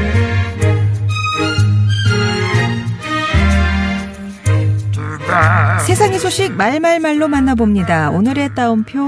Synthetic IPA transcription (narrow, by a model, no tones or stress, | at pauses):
sʰe̞sʰaŋisʰoɕʰik̚maɭmaɭmaɭːomanːabomɲidaonɯɾe̞t͈aɯmpʰjo